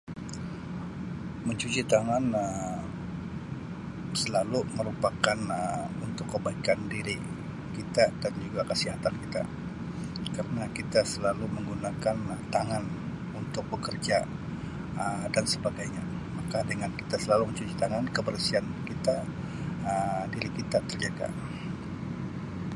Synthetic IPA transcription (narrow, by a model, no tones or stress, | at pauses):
məɲt͡ʃut͡ʃit̪aŋanə | səlaluməɾupakanəunt̪ʊkːəbaikandiɾi | kit̪adand͡ʒuɡakəsiɦat̪ankit̪a̰ | kəɾənakit̪asəlaluməŋɡunakant̪aŋan | unt̪ʊk̚bəkərd͡ʒa | ədansəbaɡajɲa | makadəŋanki̥t̪asəlaluməɲt͡ʃut͡ʃi̥t̪aŋankəbərsiankit̪a | ədiɾikit̪at̪ərd͡ʒaɡa̰